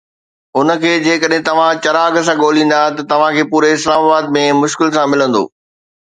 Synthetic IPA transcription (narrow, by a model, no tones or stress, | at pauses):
ʊnə̆kʰeːd͡ʑeːkəɗɦɪ̃t̪ɐʋ̤ãt͡ɕɐɾaːɡs̬ãɠoːlĩːn̆d̪aɦt̪ɐt̪ɐʋ̤ãkʰeːpuːɾeɪslaːmaːbaːd̪̚mẽmʊʃkɪlsãmɪlə̃nd̪o̰ː